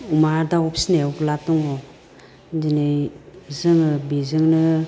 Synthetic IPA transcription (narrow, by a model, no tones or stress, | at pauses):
umaɾdawɔpsinewklatɔŋɔ | dinɯjzɯŋɯbizɯŋnɯ